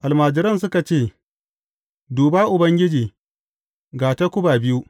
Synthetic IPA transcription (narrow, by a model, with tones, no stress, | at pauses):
ʔa˨lmaː˨d͡ʒɪ˨ɾɐ˦˨ns̬ʊ˦ka˨t͡ʃeː˦˨ | duː˨baː˦ʔʊ˨bɐ˦ŋɡʲɪ˦d͡ʒiː˨ | ɡaː˨ta˦kʷʊ˦baː˨bɪ˦ju˦